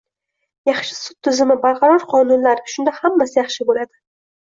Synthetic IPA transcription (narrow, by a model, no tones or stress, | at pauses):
jɑχʃɪ̥sʊt̪ʰːʊzɪmɪbaɾqʰɑɾɒɾqʰɒnʊnlaɾʃʊnd̪ahamːasɪjɑχʃɪbolad̪ɪ